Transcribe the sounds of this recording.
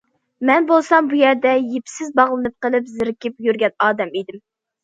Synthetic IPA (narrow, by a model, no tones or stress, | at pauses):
mɛnbolˠsɑmbujɛɾd̪ɛjepʰsɪzbɑʁlˠɨnɨp̚qəlˠɨpzɪɾɪkʲɪpjyɾɡʲɛnɑːd̪ɛmid̪ɪm